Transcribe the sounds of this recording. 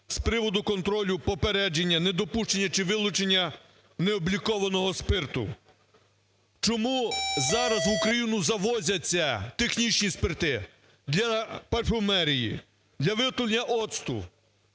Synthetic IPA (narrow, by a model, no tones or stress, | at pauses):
spɾɪʋɔd̪ʊkɔnt̪ɾɔlʲʊpɔpeɾɛd͡ʒenʲːɐned̪ɔpuʃt͡ʃenʲːɐt͡ʃɪʋɪlˠʊt͡ʃenʲːɐ | neɔblʲikɔʋɐnɔɦɔspɪrt̪ʊ̰ | t͡ʃɔmuzɑɾɐzʋukɾɐjinʊzɐʋɔzʲɐt͡sʲːɐt̪exnʲit͡ʃnʲispɪrt̪ɪ | d̪lʲɐpɐrfɔmɛɾʲijḭ | d̪lʲɐʋɪt̪ʊlʲnʲɐʔɔt̪st̪ʊ̰